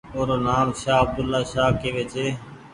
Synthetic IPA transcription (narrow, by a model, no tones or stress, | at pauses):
oːɾoːnaːmʃaːəb̚d̪ʊlːaːʃaːkeːʋeːt͡ʃeː